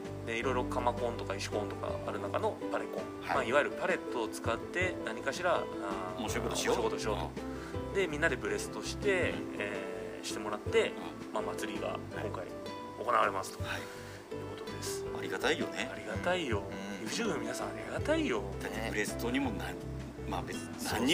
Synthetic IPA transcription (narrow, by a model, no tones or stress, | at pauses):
d̪eiɾo̞iɾo̞kamakõ̞nt̪o̞kaiɕi̥kõ̞nt̪o̞ka̰aɾɯ̟nakano̞paɾekõŋhamaiβaiɾɯ̟paɾe̞t̪ːo̞ːt͡sɨ̥kat̪ːe̞naɲ̟ikaɕiɾa | a | okot̪ookot̪ɕio̞ːto | d̪e̞mʲĩnːad̪e̞bɯ̟ɾe̞sɨ̥t̪o̞ɕi̥t̪e̞ː | ɕi̥t̪e̞mo̞ɾat̪ːe̞ | mamat͡sɨɾʲiɡa̰kõ̞ŋkaḭ | o̞̰ko̞naβaɾe̞masɨ̥t̪oai | jɯ̟ːko̞t̪o̞d̪e̞sɨ̥aɾʲiɡat̪aijoneaɾʲiɡat̪aijo̞ | jɯːɕɨːbɯ̃nmʲinasãaɾiɡat̪aijo̞t̪aɯ̟ɾe̞st̪oɲ̟imona | mabet͡s | nãɲːi